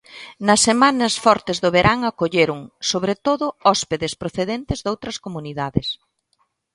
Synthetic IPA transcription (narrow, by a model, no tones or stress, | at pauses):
nɐsːemanɐsfɔɾt̪ɪzðoβeɾʔaŋakoʎeɾʊŋsoβɾet̪oðʊɔspeðespɾoθeðent̪ɪzðowt̪ɾɐskomuniðaðɪs